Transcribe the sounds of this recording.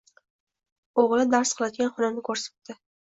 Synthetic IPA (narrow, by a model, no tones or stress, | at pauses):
oʁlˠɪd̪aɾsqʰɨlˠad̪ɪɡʲanχʊnɪmnɪkʰɵɾsḁt̪d̪ɪ